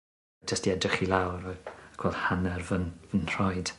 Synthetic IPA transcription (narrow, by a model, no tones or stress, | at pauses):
d͡ʒəstiɛdrɪχilˠawɾɔkʰwɛlˠd̥hanɛrvənvənr̥ɔjd̥